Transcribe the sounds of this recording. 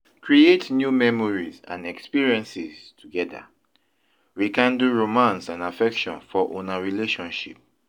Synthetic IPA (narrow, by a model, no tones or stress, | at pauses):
kʰɹietnjumɛmɔɹizã̰nɛkspiɹiɛ̃nsiztʰuɡɛda̰ | wikãnduɹomãnsãnafɛkʃɔ̃nfɔʔõnaɹileʃɔ̃nʃḭp̚